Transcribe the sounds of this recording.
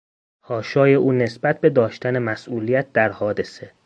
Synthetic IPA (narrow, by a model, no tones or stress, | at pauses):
hɒːʃɒːje̞ʔuːne̞sbæt̪̚ʰbe̞d̪ɒːʃt̪ænemæsʔuːlijæt̪̚d̪æɾhɒːd̪e̞se